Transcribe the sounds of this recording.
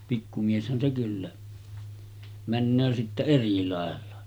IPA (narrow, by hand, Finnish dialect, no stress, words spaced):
pikːu mieshæn se kylːæ mænːøː sitːe eri lɑˑelːɑ